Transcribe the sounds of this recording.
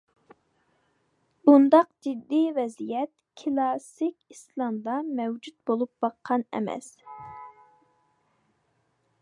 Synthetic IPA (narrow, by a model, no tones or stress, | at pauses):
b̥und̪ɑq̚d͡ʒid̪ːivɛzijɛt̪ | kʰɨlˠɑsikʲislˠɑmd̪ɑmɛwd͡ʒut̪̚bolˠup̚bɑqʰːɑnɛ̰mɛ̰s